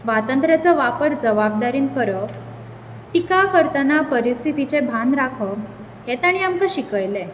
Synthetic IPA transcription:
sʋat̪ənt̪ɾjat͡səʋapəɾd͡zəʋab̚d̪aɾiːnkəɾə | ʈikakəɾt̪ənapəɾist̪ʰit̪it͡sebʱanɾakʰə | het̪aɽ̃iamkəɕikəjle

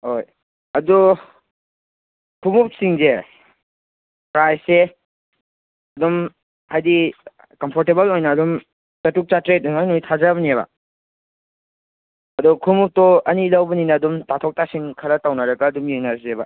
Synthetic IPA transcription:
hoj | ɐdu | kʰumup̚siŋze | pɾajse | ɐdum | hajdi | kɐmpʰɔɾtebɐlojnɐːdɔm | sɐtuk̚t͡ʃatɾet̚ɔnajnojtʰazabɐnieβa̰ | ɐdukʰumup̚tɔɐnilawbɐninɐːdumtatʰɔk̚tasiŋkʰɐɾɐtawnɐɾɐɡɐːdumjeŋnaɾzeba̰

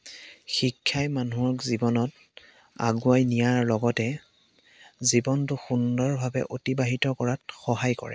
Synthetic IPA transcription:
xikʰːajmanuɔkzibɔnɔt | a̰ɡuajnijaɹlɔɡɔtɛ | zibɔntʊxundɔɹbʱabɛ̰ʔotibaɦitɔkɔɹat̚xɔɦajkɔ̰ɹɛ̰

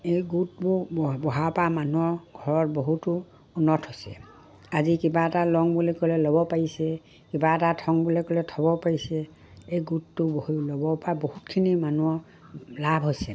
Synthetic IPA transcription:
ejɡutbubɔɦapamanuɔɡʱɔɹɔtboɦutʊː | nɔtʰhojsɛ̰ | azikibaɛtalɔŋbulikɔlɛlɔbɔpaɹisɛ | kibaɛtatʰɔŋbulɛkɔlɛtʰɔbɔpaɹisɛ | ejɡutːʊbohilɔbɔpabohutkʰinimanuɔ | labʱɦojsɛ

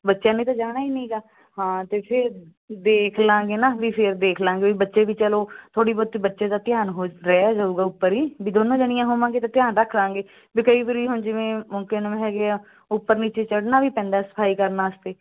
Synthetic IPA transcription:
bətːʃãːneːt̪ãːd͡ʒaːɽ̃aːiːnĩːɡaː | hãːt̪eːpʰɪɾ | d̪eːkʰlãːŋɡeːnãːʋiːpʰɪɾd̪eːkʰlãːŋɡeːbiːbətːʃeːʋiːt͡ʃəloːt̪ʰoːɽiːbɔːd̪̚t̪iːbətːʃeːd̪aːt̪ɪjaːnɦoːɾɛːaːd͡ʒaːuːɡaːʊpːəɾiːbiːd̪oːnõːd͡ʒəɽ̃ɪjãːɦoːmãːɡeːt̪ãːt̪ɪjaːnɾəkʰlãːŋɡeː | biːkəiːʋəɾiːɦʊnd͡ʒɪʋẽːmʊŋkenmẽːɦɛːɡeaː | ʊpːəɾniːt͡ʃeːt͡ʃəɽnaːʋiːpɛ̃ːnd̪aːsə̥pʰaːiːkəɾnaːəst̪eː

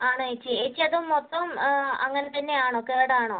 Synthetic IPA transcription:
aːɳoet͡ɕːieːt͡ɕːiɐðumːot̪ːɐmɐ̰ŋːɐnet̪ɐnːe̞aːɳoːkːeːɽaːɳoː

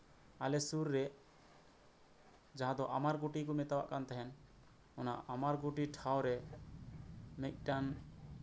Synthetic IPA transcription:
alɛsuɾːɛ | d͡ʒaɦãd̪ɔʔamaɾɡoʈikumɛt̪awa̰ʔkant̪ɛɦɛn | ɔna̰ʔamaɾɡuʈiʈʰawɾɛ | mɛc̚ˀʈan

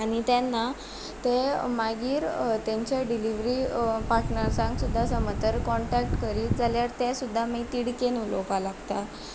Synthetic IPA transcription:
aɽ̃it̪janːa | t̪emaɡiːɾt̪aɲt͡ɕaɖiliʋɾiːpaɾʈnəɾsãŋksud̪ʱːasəmət̪əɾkɔɳʈɛkʈkəɾiːld͡zaljaɾt̪asud̪ʱːamiːt̪iɽkenulo̰kalaɡt̪a

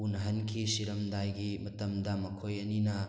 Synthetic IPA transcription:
unɦɐnkʰisiɾɐmdajɡimɐtɐmdɐmɐkʰojɐninɐ

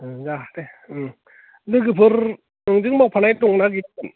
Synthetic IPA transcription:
ɯd͡ʒateɯ | lɯɡɯpʰɯɾ | ɯŋd͡ʒɯŋmɔk̚pʰanajtuŋnaɡit̚

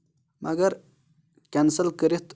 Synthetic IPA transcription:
mɐɡɐɾ | kansəlkəɾit̪

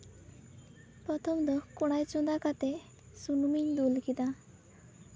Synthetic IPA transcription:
pɾɔt̪ʰɔmd̪ɔkɔɽ̃ajt͡ʃund̪akat̪e | sunumiɲd̪ulkid̪a

